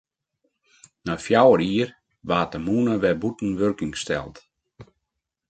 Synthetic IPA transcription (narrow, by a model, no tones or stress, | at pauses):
nafjawəɾiər | ʋaːtəmuːnəʋɛbutn̩ʋørkɪŋstɛ̰lˠt